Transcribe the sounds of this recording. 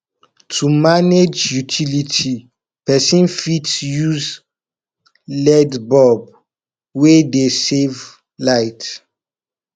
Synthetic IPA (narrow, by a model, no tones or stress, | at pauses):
tʰumaned͡ʒjutʰilitʰi | pɛsĩnfitjuz | lɛdbɔb̚ | wedesev | laɪt